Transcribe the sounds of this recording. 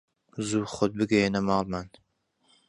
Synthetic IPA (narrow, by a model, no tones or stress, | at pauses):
zuːχod̪̚bɨɡɛjenɐmɑːlˠman